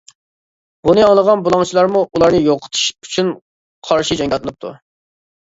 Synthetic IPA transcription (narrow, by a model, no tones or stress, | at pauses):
b̥unɨɑlˠəʁɑnbulˠɑŋt͡ʃʰilˠɑɾmuʔulˠɑɾnɨjoqʰə̥t̪ʰɨ̥ʃyt͡ʃʰyn | qʰɑɾʃid͡ʒɛŋɡʲɑlt̪lɨnɨp̚t̪ʰṵ